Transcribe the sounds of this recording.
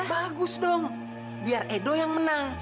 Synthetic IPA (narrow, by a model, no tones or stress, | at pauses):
baɡʊsdɔŋ | biarʔedojaŋmənaŋ